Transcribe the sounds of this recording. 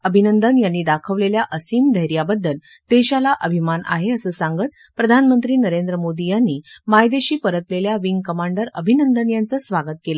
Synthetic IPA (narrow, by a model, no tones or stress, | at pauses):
əbʱinənd̪ənjanːiːd̪akʰəʋleljaʔəsiːmd̪ʱəjɾijabəd̪ːəl | t̪eɕalaʔəbʱimanʔa̰ɦeəsəːsaŋɡət̪̚ | pɾəd̪ʱanmənt̪ɾiːnəɾend̪ɾəmod̪ijanːiːmajd̪eɕiːpəɾət̪leljaʋiŋɡkəmaɳɖəɾəbʱinənd̪ənjant͡səsʋaɡət̪kelə